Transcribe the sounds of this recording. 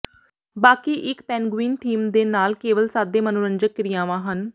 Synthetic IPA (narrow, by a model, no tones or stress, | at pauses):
baːkiːʔɪkpɛːnɡwiːnt̪ʰiːmd̪eːnaːlkeːʋəlsaːd̪eːmənʊɾəɲd͡ʒəkːɾɪjãːʋãːɦən